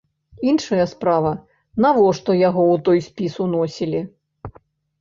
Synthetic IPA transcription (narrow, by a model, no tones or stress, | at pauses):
inʂɐjɐspɾavɐ | navɔʂt̪ɔjaɣɔwt̪ɔjsʲpʲisunɔsʲilʲi